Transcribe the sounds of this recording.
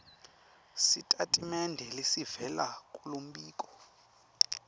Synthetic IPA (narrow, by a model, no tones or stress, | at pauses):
sitʼatʼimɛndʱɛlesivɛlakʼulom̩ɓiːk̬ʼɔ̥